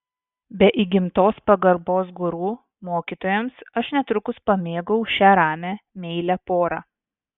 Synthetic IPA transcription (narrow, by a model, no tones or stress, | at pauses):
bʲɛʔiɡʲɪmt̪oːspɐɡɐɾboːs̬ɡʊɾuː | moːkʲiːt̪oːjɛmsɐʃnʲɛt̪ɾʊkʊspɐmʲeːɡɐʊʃʲæːɾɑːmʲæːmʲɛɪlʲæpoːɾɑ